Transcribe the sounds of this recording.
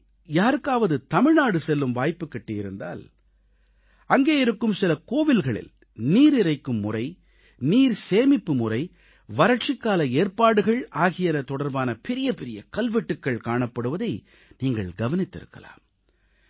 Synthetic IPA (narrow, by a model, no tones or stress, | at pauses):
jaːɾɯkːaːʋɐðɯt̪ɐmɪɻnaːɽɯsɛlːɯmʋaːjpːɯkːɛʈːɪjɪɾɯnd̪a̰ːl | ɐŋɡeːjɪɾɯkːɯmsɪlɐkoːʋɪlɣɐɭɪ̰l | niːɾɪrɐɪkːɯmːʊrɐɪ | niːɾseːmɪpːɯmʊrɐɪ | ʋɐɾɐʈ̚t͡ʃɪkːaːlɐeːɾpaːɽɯɣɐɭaːɣɪjɐnɐt̪ɔɽɐɾbaːnɐpɛɾɪjɐpɛɾɪjɐkɐlʋɛʈːɯkːɐɭkaːɳɐpːɐɽɯʋɐðɐɪ | niːŋɡɐɭɡɐʋɐnɪt̪ːɪ̰ɾɯ̰kːɐ̰la̰ːm